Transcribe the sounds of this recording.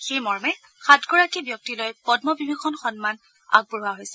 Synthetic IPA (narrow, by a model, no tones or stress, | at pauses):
xejmɔɹmɛ | xatɡɔɹakibjɔk̚tilojpɔdmɔbibʱixʰɔnxɔnman | a̰ɡ̚buɹuwaɦojsɛ